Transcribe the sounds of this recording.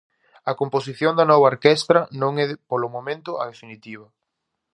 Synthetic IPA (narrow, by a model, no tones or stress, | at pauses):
ɐkomposiθjoŋd̪ɐnɔβɐoɾkɛst̪ɾɐnõŋɛðpolʊmomẽnt̪ʊɐðefinit̪iβ̞ɐ